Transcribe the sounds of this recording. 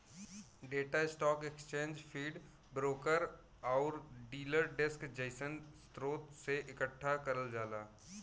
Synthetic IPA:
ɖeːʈaɪsʈɔːkekst͡ʃẽːnd͡ʒfʰiːɖ | bɾoːkəɾ | ɔːɾɖiːləɾɖɪskd͡ʒəɪsənst̪ɾoːt̪seʔɪkəʈʰːakɐɾəld͡ʒaːlaː

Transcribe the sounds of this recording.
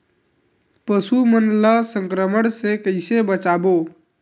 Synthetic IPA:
pəsumənləsəŋkɾəməɽ̃sekəɪsebət͡ʃabo

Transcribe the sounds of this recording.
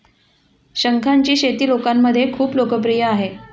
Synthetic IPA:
ɕəŋkʰaɲt͡ɕiːɕet̪iːlokamːəd̪ʱːjekʰuːplokəp̬ɾijəaɦe

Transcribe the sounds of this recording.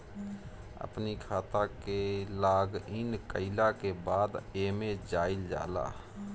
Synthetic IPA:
ə̰pnikʰaːt̪akelaːɡɪnkəɪlakebaːd̪eːmẽd͡ʒaːɪld͡ʒa̰ːla̰ː

